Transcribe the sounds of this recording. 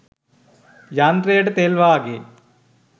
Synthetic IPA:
jaːnd̪ɾeːɖt̪eːlʋaːɡeː

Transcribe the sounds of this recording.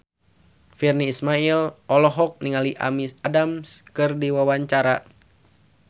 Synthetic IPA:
firniːsmailɔlɔɦɔk̚niŋaliʔa̰misadamskɨrdiwawaɲt͡ʃaɾa

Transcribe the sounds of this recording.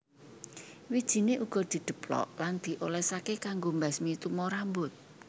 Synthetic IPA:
wid̥ʒ̥i̤neʔuɡ̥ɔ̤d̪̥i̤d̪̥ə̤plɔ̰ʔland̪̥i̤ʔolɛsakekaŋɡombɛsmit̪umɔɾambʊt̪̚

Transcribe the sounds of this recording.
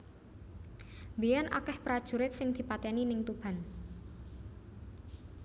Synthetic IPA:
mbejɛnʔa̰kɛhpɾad̥ʒ̥ṳɾɪt̪̚sɪŋd̪̥i̤pat̪ɛninɪŋt̪ub̥a̤n

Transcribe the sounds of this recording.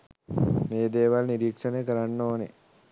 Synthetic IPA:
neːd̪eːʋalniɾiːkʂənəjəkəɾanːoːne

